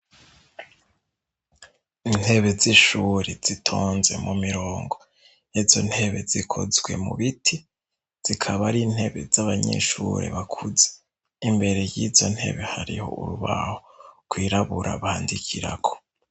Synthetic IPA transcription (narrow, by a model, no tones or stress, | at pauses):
in̥he̞βe̞ziʃuɾez̥itʰoːnze̞̰mumiɾoːŋɡo̞ | jizo̞n̥he̞βe̞zikʰo̰zɡwe̞muβitʰi | z̥ikʰaβaɾin̥he̞βe̞zaβaɲḛʃuɾe̞̰βakʰuze̥ | imbe̞ɾe̞jiːzo̞n̥he̞̰βe̞haɾiho̞̰ṵɾuβa̰hokwiːɾaβuɾʔa̰βahaːndikʰiɾa̰ɡo̥